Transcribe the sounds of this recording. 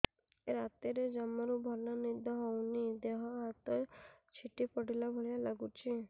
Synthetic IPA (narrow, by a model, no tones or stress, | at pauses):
eɾat̪iɾed͡ʒamɔɾubʱɔlanid̪ʱɔɦɔwnid̪eɦɔɦat̪ɔt͡ʃʰiʈipɔɽilabʱoɭijalaɡut͡ʃʰi